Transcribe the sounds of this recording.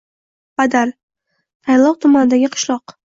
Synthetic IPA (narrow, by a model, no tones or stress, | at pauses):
b̥ad̪aɾ | t̪ʰajlˠɒq̚t̪ʰʊmanɪd̪aɡʲɪqʰɨ̥ʃlˠɒq